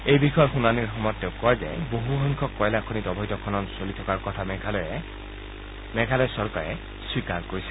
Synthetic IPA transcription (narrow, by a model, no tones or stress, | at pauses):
ejbixɔjɔxunaniɹxɔmɔjɔtːeʊkɔjzɛ̰boɦuxɔŋkʰɔkːɔjlakʰonitɔbʱɔjtɔkʰɔnɔnsolitʰɔkaɹkɔtʰaml | mɛɡʱalɔjsɔɹkaɹɛ | swikaɹkoɹisɛ̥